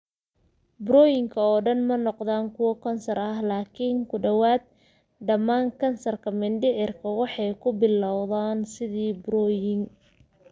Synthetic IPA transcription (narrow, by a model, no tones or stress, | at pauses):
bɾɔːjɪŋkʰɐɔːɖɐnmɐnɔqðaːŋkʰʊwɐkʰɐnsɐrɐɦlaːkʰɪŋkʰʊɖɐwaːd̪̚ | ɖɐmaːŋkʰɐnsɐrkʰɐmɪnɖɪʕɪrkʰɐwɑħɑjkʰʊbɪlɑwðaːnsɪðiːbɾɔːjɪŋ